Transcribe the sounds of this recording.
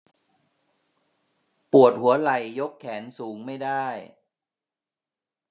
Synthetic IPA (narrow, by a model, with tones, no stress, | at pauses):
pu˨˩ət̪̚hu˩˦ɐla˨˩jːo˦˥kʰːɛː˩˦nsuː˩˦ŋma˥˩jdaː˥˩j